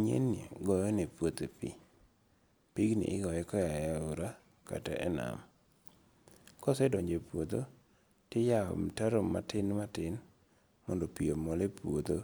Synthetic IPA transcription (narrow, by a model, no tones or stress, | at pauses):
ɲḛnɡɔjɔnepwot̪epḭ | piɡnḭʔɪɡɔɛkɔjajauɾa | ka̰ta̰ʔɛna̰m | kɔsɛdɔɲd͡ʒepwod̪o | tɪjaɔ̰mtaɾomːa̰tɪnmatɪn | mɔndɔpiomɔlepwod̪o